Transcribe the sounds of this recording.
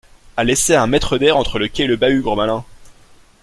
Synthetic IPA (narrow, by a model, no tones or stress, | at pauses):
aleseɛ̃mɛt̪χəd̪ɛʁɑ̃t̪χələkʲɛeləbayɡʁəmalɛ̃